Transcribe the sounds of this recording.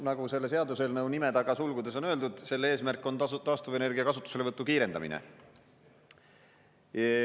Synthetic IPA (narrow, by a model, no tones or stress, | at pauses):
nɑɡ̥use̞lːese̞ɑd̪use̞lnɤwnime̞ɑɡ̥ɑsulɡ̥ud̪e̞so̞nøld̪ud̪̥se̞lːee̞ːsmærkːˑo̞nt̪ɑːst̪uvene̞rɡiɑkɑsut̪ːu̥se̞le̞vɤt̪ːukiːɾe̞nd̪̥ɑ̰mḭnḛ